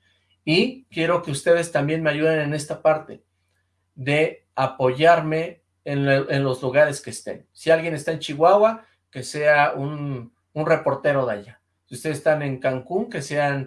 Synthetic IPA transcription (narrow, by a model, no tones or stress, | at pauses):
ikje̞ɾo̞ke̞ust̪e̞ð̞e̞st̪ambje̞nme̞aʝuð̞enene̞st̪apaɾt̪e̞ | ðe̞ | apo̞ʝaɾme̞ | nenlo̞zluɣaɾe̞skest̪e̞̰nsialɣje̞ne̞st̪aent͡ʃiɣwawa | ke̞se̞aun | unre̞po̞ɾt̪e̞ɾo̞ðea̰ʝa | siust̪eðst̪ane̞ŋkaŋkuŋke̞se̞an